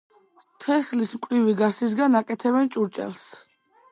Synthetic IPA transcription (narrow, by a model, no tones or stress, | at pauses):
t̪ʰɛslismkʼɾiviɡasis̬ɡanakʼɛt̪ʰɛβɛnt͡ʃʼuɾt͡ʃʼɛ̰lˠs